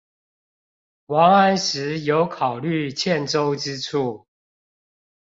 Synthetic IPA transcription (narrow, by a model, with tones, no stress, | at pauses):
wɑ˨˥ŋa˦nʂɻ̩˨˦jo˨˦ʊkʰɑ˨˩ʊly˥˨t͡ɕʰjɛ˥˨nʈ͡ʂo˦ʊʈ͡ʂɻ̩˦ʈ͡ʂʰu˥˩